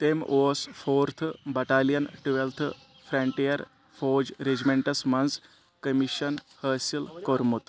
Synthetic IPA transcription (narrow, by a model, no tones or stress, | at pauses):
t̪emʔoːsfʰoːɾt̪ʰbɐʈalijɐnʈʋelt̪ʰ | fʰɾɐɳʈijɐɾ | fod͡ʑɾed͡ʑmeɳʈɐsmɐns | kəmiɕənhəːsilkoɾmut̪